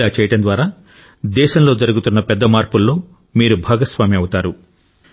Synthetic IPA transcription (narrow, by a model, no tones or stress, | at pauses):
aːt͡ʃɛːjɐʈɐnd̪ʋaːɾaː | d̪ɛːʃɐmlo̞ːd͡ʒɐɾuɡut̪unːɐpɛd̪ːɐmaːɾpulːo̞ː | miːɾubʱaːɡɐsʋaːmiɐwut̪aːɾu